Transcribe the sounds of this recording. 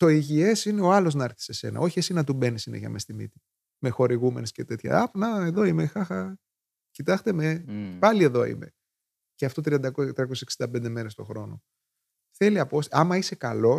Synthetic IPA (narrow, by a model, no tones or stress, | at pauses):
to̞iʝie̞sine̞oɐlo̞znɐɐɾθi̥se̞se̞̰nɐ̰o̞çie̞sinɐt̪ube̞nisinḛʝɐ̰mest̪imḭt̪i̥ | me̞xo̞ɾiɣume̞nescet̪e̞t̪çɐ̰ɐpnɐe̞ðo̞imexɐxɐ | cit̪ɐst̪emepɐlie̞ðo̞ḭme̞ | ceɐft̪o̞t̪ɾiɐnd̪ɐkot̪ɾiɐko̞siseksind̪ɐpnd̪e̞meɾest̪o̞̰xɾo̞no̞ | θe̞liɐposɐmɐise̞kɐlo̞